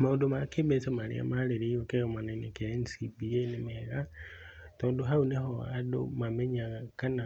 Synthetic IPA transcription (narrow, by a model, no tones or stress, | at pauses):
maodomakebesamalḭa̰maleɾejokeɣomanainekensibienemiheɣa | toːndoɦauneɦoa̰do̰mameɲakana